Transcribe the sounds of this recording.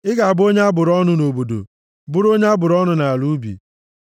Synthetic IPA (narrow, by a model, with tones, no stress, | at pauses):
ɪ˦ɡa˨a˨bo˦ɲe˦a˦bʊ˨ɾɔ˦nʊ˦no˨bo˨do̰˨ | bʊ˦ɾo˦ɲe˦a˦bʊ˨ɾɔ˦nʊ˨na˨lu˦bḭ˨